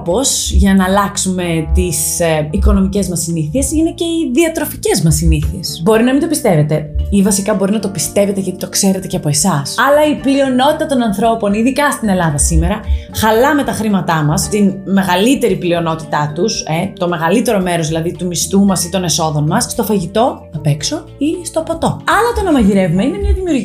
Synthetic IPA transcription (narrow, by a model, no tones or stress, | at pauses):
po̞sʝɐnɐːlɐksume̞t̪isiko̞no̞mice̞zmɐsiniθie̞sine̞ce̞iðiɐt̪ɾo̞fice̞zmɐsːiniθie̞sbo̞ɾinɐmind̪o̞pist̪e̞ve̞t̪e̞ivɐsikɐbo̞ɾinɐt̪o̞pist̪e̞ve̞t̪eʝɐt̪it̪o̞kse̞ɾe̞t̪e̞ceɐpo̞e̞sɐsɐlɐiplio̞no̞t̪it̪ɐt̪o̞nɐnθɾo̞po̞niðikɐst̪ine̞lɐðɐsime̞ɾɐ | xɐlɐme̞t̪ɐxɾimɐt̪ɐmɐst̪inme̞ɣɐlit̪e̞ɾiplio̞no̞t̪i̥t̪ɐt̪uset̪o̞me̞ɣɐlit̪e̞ɾo̞me̞ɾo̞zðilɐðit̪umist̪umɐsit̪o̞ne̞so̞ðo̞nmɐsst̪o̞fɐʝit̪o̞θɐpe̞kso̞ | ist̪opɐt̪o̞ɐlɐt̪onɐmɐʝiɾe̞vumeine̞mɲɐðimiuɾʝ